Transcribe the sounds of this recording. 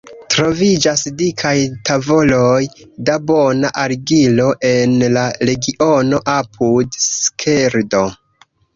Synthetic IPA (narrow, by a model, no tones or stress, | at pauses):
tɾo̞vid͡ʒasdikʰajtʰavo̞lo̞j | dabo̞naʔaɾɡilo̞ʔe̞nlaɾe̞ɡiʔo̞no̞ʔapʰudskʰeɾdo̞